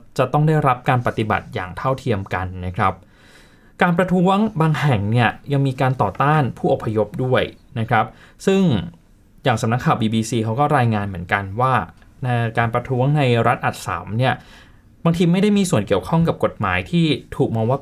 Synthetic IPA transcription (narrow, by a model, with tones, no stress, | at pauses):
t͡ɕa˨˩t̪ɔ˥˩ŋda˥˩jɾa˦˥p̚kaː˧npa˨˩t̪i˨˩ba̰˨˩t̪̚ja̰ː˨˩ŋt̪ʰa˥˩wt̪ʰi˧əmka˧nːa˦˥kʰɾa˦˥p̚ | kaː˧npɾa˧t̪ʰu˦˥əŋbaː˧ŋhɛ˨˩ŋni˥˩ɐja˧ŋmiː˧kaː˧nt̪ɔː˨˩t̪aː˥˩npʰuː˥˩ʔo˨˩pʰːa˧jo˦˥p̚du˥˩əjna˦˥kʰɾa˦˥p̚sɯ˥˩ŋ | jaː˨˩ŋsa˨˦na˦˥kʰːaː˨˩wbiː˧biː˧siː˧kʰa˦˥wkɔː˥˩ɾaː˧jŋaː˧nmɯ˩˦ənka˧nwaː˥˩na˧kaː˧npɾa˧t̪ʰuː˦˥əŋna˧jɾa˦˥t̪̚ʔa˨˩t̪̚sa̰ː˩˦mni˥˩ɐ | baː˧ŋt̪ʰiː˧ma˥˩jda˥˩jmiː˧su˨˩ənki˨˩əwkʰɔ˥˩ŋka˨˩p̚ko˨˩t̪̚ma̰ː˩˦jt̪ʰiː˥˩t̪ʰuː˨˩k̚mɔː˧ŋwaː˥˩